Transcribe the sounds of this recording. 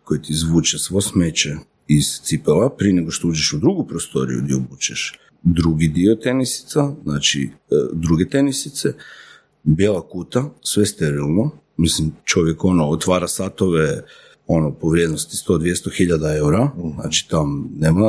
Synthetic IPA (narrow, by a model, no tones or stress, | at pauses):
kojet̪izʋuːt͡ʃesʋosmet͡ʃe | iz̥t̪sipelapɾieneɡoʃt̪ouːd͡ʒeʃud̪ɾuɡupɾost̪o̞̰ɾḭjṵd̪iobuːt͡ʃeʃ | d̪ɾuɡid̪iot̪e̞nisi̥t̪saznaːt͡ʃḭd̪ɾuɡet̪e̞nisit̪se | bjelˠakuːt̪asʋest̪eɾilˠno̞ | mislimt͡ʃo̞ʋjeko̞noot̪ʋaːɾasat̪o̞ʋe | o̞nopo̞ʋɾje̞d̪nost̪i̥st̪o̞d̪ʋjest̪oxiʎad̪ae̞wuɾana̰t͡ʃi̥t̪amneːma